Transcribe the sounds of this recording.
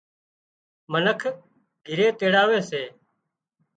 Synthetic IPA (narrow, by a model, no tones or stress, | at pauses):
mənəkʰ | ɡʱɪɾeːt̪eːɽaːʋeːseː